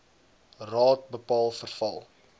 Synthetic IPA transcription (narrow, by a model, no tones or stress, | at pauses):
rɑːt̚bəpɑːlˠfərfɐlˠ